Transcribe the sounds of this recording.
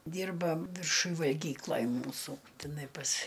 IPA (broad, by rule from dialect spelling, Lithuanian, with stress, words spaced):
ˈdʲiːrbɐ ʋʲɪrˈʃʊj ʋɐlʲˈɡʲiːklˠɐj ˈmuːsuː tʲɪˈnɐɪ pɐs